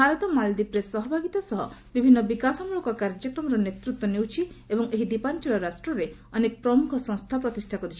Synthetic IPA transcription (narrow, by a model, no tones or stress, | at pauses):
aɾɔt̪ɔmald̪ipɾesɔɦɔbʱaɡit̪asɔɦɔbibʱinːɔbikasɔmuɭɔkɔkaɾd͡ʒɔkɾɔmɔɾɔnet̪ɾut̪wɔnewt͡ʃʰi | ebɔŋeɦid̪ipant͡ʃɔlɔɾasʈɾɔɾe | ɔnek̚pɾɔmukʰɔsɔ̃ŋ̃st̪ʰapɾɔt̪isʈʰakɔɾit͡ʃʰi̥